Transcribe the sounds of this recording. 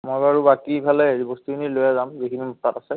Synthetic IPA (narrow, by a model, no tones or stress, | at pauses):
mojbaɹubakibʰʱalɛzibostukʰinilojazamzekʰinimutatasɛ